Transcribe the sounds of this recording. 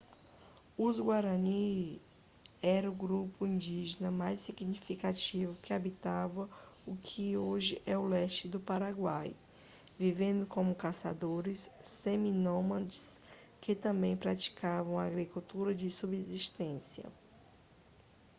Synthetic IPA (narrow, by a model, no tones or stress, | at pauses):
uzɡwaɾɐni | ɛɾɐʊɡɾupʊĩnd͡ʒiʒenɐmajsiɡnifikat͡ʃivʊkɪabit̪avɐʊkʰɪoʒɪʔɛʊlɛʃt͡ʃɪd̪ʊpaɾaɡwaj | vivẽnd̪ʊkõmʊkasa̰d̪oɾɪsːeminõmɐ̃d͡ʒɪ̥s | kɪt̪ɐ̃mbẽj̃pɾat͡ʃi̥kavɐ̃w̃ɐaɡɾikut̪uɾɐd͡ʒɪsubeziʃt̪ẽsiɐ̰